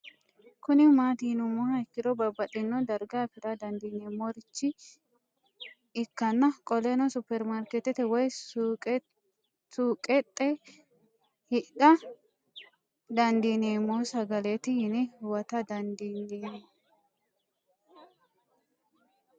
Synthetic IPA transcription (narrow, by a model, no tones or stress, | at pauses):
kʊnɪmaːt̪iːnʊmɔhɐɪkːɪd̪ɔbɐbːɐtɪnːɔd̪ɐɾɡaːfɪɾɐd̪ɐnd̪iːneːmːoɾɪt͡ʃːɪ | ɪkːɐnːɐkʼɔlɛnɔsʊpːɛɾmaɾkɛt̪ɛt̪ɛwɔj | suːkʼɛt̪ʼːɛ | hɪᶑɐ | d̪ɐnd̪iːneːmːoːsɐɡɐlet̪ɪhɪnɪwɐt̪ɐd̪ɐnd̪inːeː